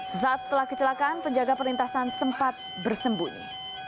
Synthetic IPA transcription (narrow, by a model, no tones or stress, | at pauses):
səsaat̪̚sə̥t̪əlahkət͡ʃəlakaʔanpəɲd͡ʒaɡapərɾint̪asansəmpat̪̚ | bərsəmbuɲḭ